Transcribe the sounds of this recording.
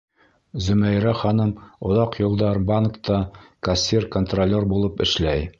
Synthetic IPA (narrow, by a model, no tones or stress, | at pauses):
zɵ̆mæjɾæχɑnɤmŏðɑqjŏlˠd̪ɑɾbankt̪ɑkɐsʲirkont̪rolʲːerbulˠɤpɘ̆ʃlæj